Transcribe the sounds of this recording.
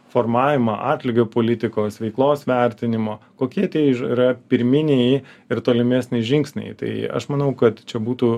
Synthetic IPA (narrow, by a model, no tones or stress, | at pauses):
foːrmɑːʋʲɪmɑʔɑːt̪ʲlʲɪɡʲoːpoːlʲɪt̪ʲɪkoːsʋʲɛɪklˠoːsʋʲɛɾʲt̪ʲɪnʲɪmoːkoːkʲiɛt̪ʲiɛiːɾɐpʲɪɾʲmʲɪnʲejɪrt̪oːlʲɪmʲæːsʲnʲɛɪʒʲɪŋksʲnʲɛ̰ɪt̪ɐ̰ɪɐ̰ʃmɐnɐʊkɐt̪t͡ʃʲɛbuːt̪uː